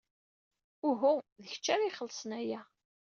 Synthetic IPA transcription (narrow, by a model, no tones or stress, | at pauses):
ʊɦʊðəçt͡ʃːaɾiχəlːəsənæjæ